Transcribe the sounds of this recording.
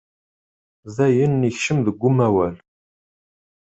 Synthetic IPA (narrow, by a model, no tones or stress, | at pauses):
zɐjɪnːixʃɪmd̪ɡʷʊmɐwɐl